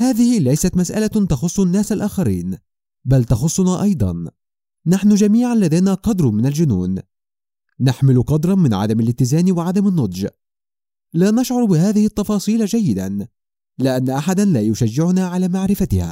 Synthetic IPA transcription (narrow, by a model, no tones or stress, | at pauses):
haːðɪhɪlajsat̪masʔa̰lat̪ɑxʊsˤːʊnːaːsalʔaːxaɾḭːn | balt̪ɑxʊsˤːʊnaːʔɑjd̪ˤɑ̰nː | aħnʊd͡ʒamiːʕanlaðajnaːqɑd̪ɾˤmɪnald͡ʒʊnṵːnː | aħmɪlʊqɑd̪ɾˤɑnmɪnʕa̰d̪amalɪt̪ːɪzaːnwaʕad̪amanːʊd̪ˤd͡ʒ | laːnɑʃʕʊɾˤbɪhaːðɪhɪt̪ːɑfɑːsˤiːld͡ʒajːɪd̪an | lɪʔanːaʔaħad̪anlaːjʊʃad͡ʒːɪʕʊnaːʕalaːmaʕɾɪfat̪ɪha̰ː